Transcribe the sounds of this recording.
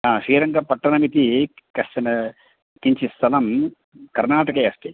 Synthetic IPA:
aːʂiːɾɐŋɡɐpɐʈːɐnɐmit̪i | kɐʂt͡ʃɐnɐ | kiɲt͡ʃist̪ʰɐlɐm | kɐɾnaːʈɐkɐjɐsʈi

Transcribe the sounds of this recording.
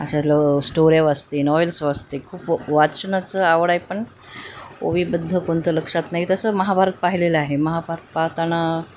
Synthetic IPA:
ə̰ɕaləsʈoɾjaʋast̪enɔʋelsʋast̪ekʰuːpʋat͡snat͡səaʋɽajpəɳ | o̰ʋiːbəd̪ʱːəkont̪ʰələkʂat̪naɦit̪əsəməɦabʱaɾət̪̚paɦileləaɦeməɦabʱaɾət̪̚pat̪ana

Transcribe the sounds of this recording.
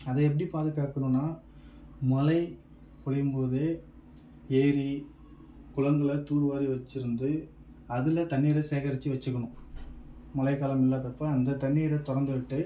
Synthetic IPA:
ɐðɐɛp̬ːɐɽipaːðɯkːaːkːɐɳɯ̃nːaː | mɐlɐɪ | kɔɭɐjɯmpoːðɯ | eːɾi | kʊɻɐŋɡɐɭɐt̪uːɾʋaːɾiʋɐt͡ʃːɪɾɯnd̪ɯ | ɐðɯlɐt̪ɐɳːiːɾɐseːɣɐɾɪt͡ʃːiʋɐt͡ʃːɯkːɐɳʊ̃ | mɐlɐɪkaːlɐmɪlːaːðɐpːɐɐnd̪ɐt̪ɐɳːiːɾɐt̪ɔɾɐnd̪ɯʋɪʈːɯ

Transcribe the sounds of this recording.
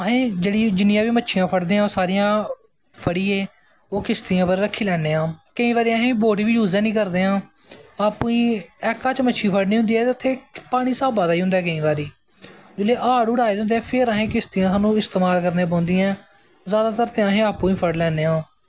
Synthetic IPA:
əɦẽːd͡ʒeːɽiːd͡ʒɪnijãːʋiːmətːʃʰɪjãːpʰəɽd̪eːãːsaːɾijãː | pʰəɽiːeː | oːkɪst̪iːãːpəɾɾəkʰːiːlɛːneːãːkəĩːʋaːɾiːaːɦẽːboːʈiːbiːjuːzãːnĩːkəɾd̪eːɦãː | aːpũĩːɛːkãːt͡ʃmətːʃʰiːpʰəɽniːʊ̃nd̪iːɛːt̪eːʊt̪ʰːeːpaːɽ̃iːsaːbãːd̪aːiːɦʊ̃nd̪aːkəĩːbaːɾiː | d͡ʒɪlːeːʔaːɽʊɽaːiːd̪ʊ̃nd̪eːɛːpʰɪɾaːɦẽːkɪst̪iːãːsaːnũːɪst̪eːmaːlkəɾneːpãːnd̪iːãː | zjaːd̪aːt̪əɾt̪eːaːɦẽːaːpũːĩːpʰəɽlɛːneːãː

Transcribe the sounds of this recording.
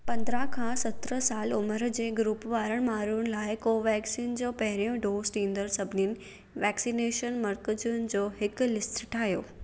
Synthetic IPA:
pɐ̃nd̪ɾakʰãːsɐt̪ɾə̆saːlʊməɾd͡ʑeːɡɾuːpʋaːɾəɽ̃maːɾuʊnɪ̆laːɪkoːʋɛːksiːnd͡ʑoːpɐɦɪɾijõɖoːzʈ̪ʰĩːn̆d̪əɾsɐbʱɪninɪ̆ | ʋɛːksineːʃənmɐɾkəd͡ʑʊnɪ̆d͡ʑoːɦɪklɪsʈʈʰaːɦijoː

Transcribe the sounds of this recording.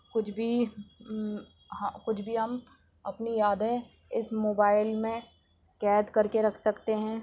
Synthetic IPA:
kʊt͡ʃʰbʱi | kʊt͡ʃʰbʱiɦɐm | ɐpnijaːd̪ẽ | ɪsmoːbaːɪlmẽ | kɛːd̪kɐɾkeɾɐkʰsɐkt̪eɦɛ̃ː

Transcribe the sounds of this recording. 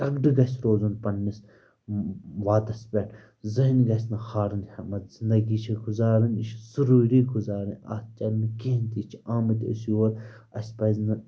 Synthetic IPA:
ɐɡɖɨɡɐsʲɾoːzunpɐnːis | ʋaːd̪ɐspʲeʈʰ | zɐɦinɡɐs̬ʲnɐxaːɾɨnhɐmɐt̪z̥ind̪ɐɡiːt͡ʃʰiɡuzaːɾɨniʃsuɾuːɾiːɡuzaːɾɨnʲa̰ːt̪̚t͡ʃɐɾʲnɨkeːnt̪it͡ʃʰiaːmɐt̪ʲo̰sioːɾɐ̰sʲpɐznɐ

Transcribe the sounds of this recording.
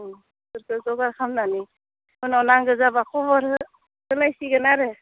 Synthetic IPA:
sɯɾkɯzɔɡaɾkʰamnani | hɔnɔwnaŋɡɯzabakʰɔbɔɾɯ | tɯlajsiɡɯnaɾɯ

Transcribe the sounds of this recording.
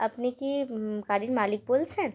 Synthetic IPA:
ɐpnekikaːɽinmaːlɪk̚bolsɛ̃ː

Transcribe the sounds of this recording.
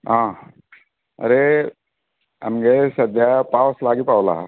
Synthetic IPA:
ɦãː | ɐ̰ɾe | ɐ̰mɡesɐd̪ʱjapaːʋəslaːɡipaːʋla̰

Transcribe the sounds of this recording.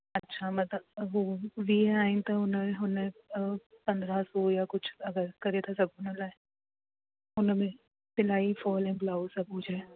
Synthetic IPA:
ɐtːʃʰamɐt̪əoʋiːɛaːɪ̃nt̪aʊnɦʊnẽ | pɐ̃nd̪ɾasoːjakʊt͡ʃʰɐɡəɾkɐɾet̪ʰasɐbunə̃lae | ʊnmẽ | pɪlaːifɔːlɛ̃blaːusɐbuːd͡ʒʰʱɛ

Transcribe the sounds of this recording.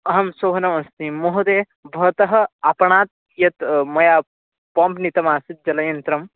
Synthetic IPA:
ɐɦɐmsoːɦɐnɐmɐst̪imoɦud̪e | bʱɐt̪ɐɦɐ̆apɐɳaːt̪̚ | jɐt̪mɐja | pɐ̃mpnit̪ɐmaːsit̪̚d͡ʒɐlɐjɐnt̪ɾɐm

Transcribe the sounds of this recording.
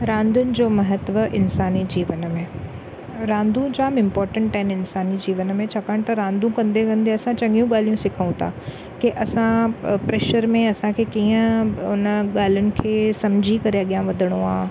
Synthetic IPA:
ɾãːnd̪ʊnɪ̆d͡ʑoːmɐɦət̪ʋəʔɪnsaːnid͡ʑiːʋənmẽ | ɾãːnd̪ʱũd͡ʑaːmɪ̃mpɔːɾʈə̃ɳʈaɪnɪnsaːnid͡ʑiːʋənmẽt͡ɕʰɐkəɽ̃t̪ɐɾãːnd̪ʱũkɐ̃nd̪ekɐ̃nd̪eɐsãt͡ɕɐ̃ŋɡijũɠaːl̤ijũsɪkʰəũt̪ʰa̰ː | keʔɐsãpɾeːʃəɾmẽɐsãkʰekiːə̃ʊnəɠaːl̤ʊnɪ̆kʰeːsɐmd͡ʑʱikɐɾeɐɠjãʋɐd̪ʱəɽ̃õaː

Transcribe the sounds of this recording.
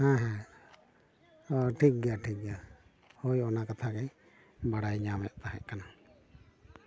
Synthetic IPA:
ɦãɦɛ̃ | ɔʈʰik̚ɡɛaʈʰik̚ɡa | hojɔnakat̪ʰakaj | baɽajɲamɛʔt̪aɦɛ̰ʔkana

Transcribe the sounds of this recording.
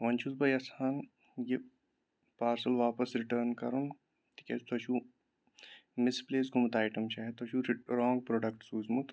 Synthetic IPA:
ʋɐnt͡ʃʰuzbɐjɐsaːn | je | paːɾsɐlʋaːpəsɾɪʈəɾnkɐɾun | t̪i̥kest̪ʰɐʃʰuː | mɪspleːs̬ɡumt̪aːɪʈɐmt͡ʃaːɦet̪ɐʃuɾɾɔ̃ːŋɡpɾoːɖɐkʈsuːzmut̪

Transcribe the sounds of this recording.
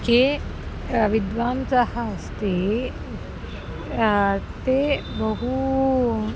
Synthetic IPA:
ke | ʋid̪ʋaːmsahɐːst̪e | t̪ebɐɦu

